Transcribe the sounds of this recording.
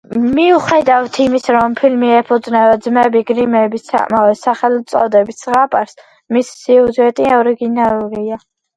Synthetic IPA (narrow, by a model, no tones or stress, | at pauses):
miuχɛd̪aft̪ʰimisɾɔmpʰilmiɛpʰud̪znɛvɛd̪zmɛbiɡɾimɛbisa̰kʼmavɛsaχɛlt̪sʼɔd̪ɛbissʁapʼaɾs | misːiuzɛt̪ʼiɔɾiɡinalɔɾia